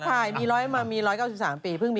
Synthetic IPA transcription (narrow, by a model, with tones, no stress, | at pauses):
t͡ɕʰa˥˩jmiː˧ɾɔː˦˥ja˧maː˧miː˧ɾɔː˦˥jkaː˥˩wsi˨˩saː˩˦mpiː˧pʰɯ˥˩ŋmiː˧